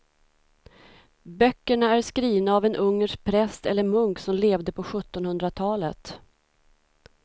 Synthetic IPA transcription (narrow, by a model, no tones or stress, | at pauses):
bœkːəɳaæʂkɾiːvnaːvɛnʔɵŋːəʂk̚pʰɾɛst̪ɛlːəɾmɵŋksɔmleːvd̪əpʰɔɧɵt̪ːɔnhɵnd̪ɾat̪ʰɑːlə̰t̪